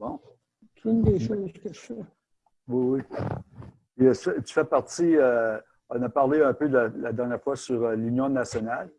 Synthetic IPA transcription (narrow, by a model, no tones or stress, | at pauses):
bɔ̃ | t̪ʰynd̪eʃozkət̪fɛ | wiwi | pisɛt̪y̥fɛpaʁt̪iø | ɔ̃napaʁleɛ̃pød̪lalad̪ɛʁnjɛːʁfwasyʁəlynjɔ̃nasjɔnal